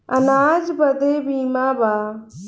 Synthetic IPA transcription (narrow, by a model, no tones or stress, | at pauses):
ənaːd͡ʒbəd̪eːbiːmaːbaː